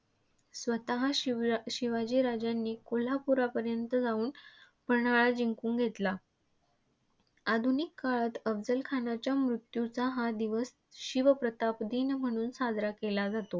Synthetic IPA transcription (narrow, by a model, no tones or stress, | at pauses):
sʋət̪aɦaɕiʋad͡ʑiɾad͡ʑjanːiːkol̤apuɾapəɾjənt̪əd͡zauːn | pəɾɳaɭad͡ʑiŋkũːŋɡʱet̪la | ad̪ʱunikːaɭat̪əbd͡zəlkʰanat͡ɕjamɾut̪jut͡saɦad̪iʋəs | ɕiʋəpɾət̪apd̪iːnm̤əɽ̃uːnsad͡zɾakelad͡zat̪o